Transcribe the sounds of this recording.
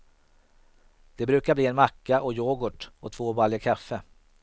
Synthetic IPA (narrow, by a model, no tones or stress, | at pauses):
d̪̥ɛbɾʉ̟ːkabliːɛnmakːaʔɔjoːɡʊʈɔt̪ʰv̥oːbaːljəkʰafːə